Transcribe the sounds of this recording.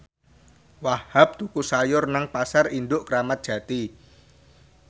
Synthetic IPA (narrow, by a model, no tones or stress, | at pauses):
wahhap̚t̪ukusajʊrnəŋpasarind̪ʊʔkəɾamat̪̚d̥ʒ̥ä̤t̪i